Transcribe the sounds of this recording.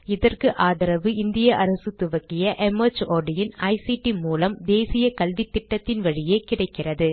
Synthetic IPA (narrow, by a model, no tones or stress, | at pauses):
ɪðɐrkɯʔaːðɐɾɐʋɯɪnd̪ɪjɐʔɐɾɐsɯt̪ːʊʋɐkːɪjɐʔɛmɐt͡ʃoːɖɪjɪnɐɪsiʈimuːlɐmd̪eːsɪjɐkɐlʋɪt̪ːɪʈːɐt̪ːɪnʋɐɻɪjeːkɪɽɐɪkːɪrɐðɯ